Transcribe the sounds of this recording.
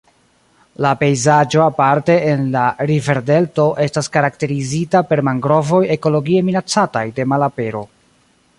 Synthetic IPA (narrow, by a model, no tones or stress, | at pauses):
lape̞jzad͡ʒo̞apaɾte̞ːnlaɾive̞ɾde̞lto̞ʔe̞staskaɾakte̞ɾizitape̞ɾmaŋɡɾo̞vo̞je̞ko̞lo̞ɡie̞minat͡sata̰jde̞malape̞ɾo̞̰